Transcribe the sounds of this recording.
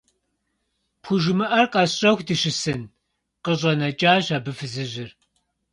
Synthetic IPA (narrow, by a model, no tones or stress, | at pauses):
pʰʊʒɨmɨʔɐrqʼɐɕʼɐxʷdɨʃɪsɨn | qəɕʼɐnɐt͡ʃʼaːɕaːbɨfɨzɨʑɪr